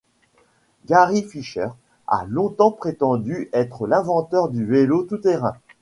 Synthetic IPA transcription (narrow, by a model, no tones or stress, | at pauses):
ɡaʁifiʃœ̰ʁ | a̰lɔ̃t̪ɑ̃pχet̪ɑ̃d̪yʔɛt̪χəlɛ̃vɑ̃t̪œʁd̪yvelot̪ut̪eʁɛ̰̃